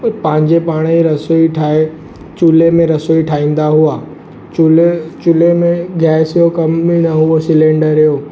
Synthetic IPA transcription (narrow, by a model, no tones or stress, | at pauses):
pɐ̃ɦɪ̃ɲd͡ʑepaːɽ̃iɾɐsoːiʈʰaːe | t͡ɕulemẽɾɐsoːiʈʰaːĩːn̆d̪aɦuaː | ulet͡ɕulemẽɡʱɛːsijokɐmːĩnɐɦuosɪlẽːɳɖəɾijoː